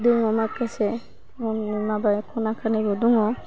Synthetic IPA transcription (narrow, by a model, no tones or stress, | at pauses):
d̪uŋɔmakɛsɛ | ɔnimabajkʰɔnakʰanibɔd̪uŋɔ